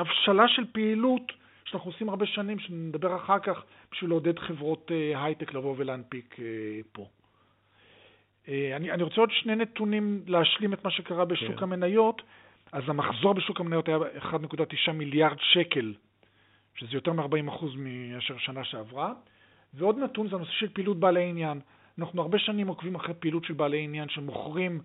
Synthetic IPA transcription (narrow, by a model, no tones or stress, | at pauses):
afʃalaʃe̞lpeilut | ʃanaχnuosimaʁbeʃanimʃenimed̪abe̞ʁaχaʁkaχ | b̥iʃvileod̪ed̪χe̞vʁo̞teɦajteklavo̞velaanpikʰepo̞ | eanianiʁot͡seod̪ʃnejnet̪unimleaʃlimetmaʃekaʁabeʃukame̞najo̞t | azamaχzo̞ʁbeʃukamenajo̞tajaeχad̪nekudat̪iʃamiljaʁdʃeke̞l | ʃezejo̞te̞ʁmeaʁbaimaχuzmiaʃeʁʃanaʃeavʁa | veo̞d̪natunzeano̞seʃe̞lpiːlut̚baːleinjan | anaχnuaʁbe̞ʃanimokvimaχʁepiːlutʃelbaːleinjanʃemo̞χʁim